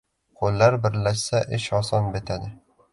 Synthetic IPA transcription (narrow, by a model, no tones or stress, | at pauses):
qʰolːaɾbɪɾlaʃsaʔɪʃɒsɒnbet̪ʰad̪ɪ